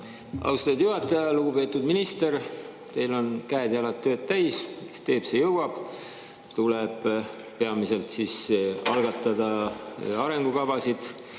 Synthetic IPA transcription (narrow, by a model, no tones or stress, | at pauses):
ɑ̰wst̪ɑd̪̥juɦɑt̪ːˑɑjɑluɡ̥upe̞ːt̪ːˑud̪minist̪e̞ɾ | t̪e̞jlo̞nkæːd̪ɑlɑt̪ːø̞ːt̪t̪ːæjske̥st̪e̞ːb̥se̞jɤwɑb̥ | t̪uleb̥ | pe̞ɑmise̞lt̪sisɑlɡ̥ɑt̪ːˑɑd̪̥ɑ | ɑɾe̞ŋɡ̥ukɑvɑsid̪̥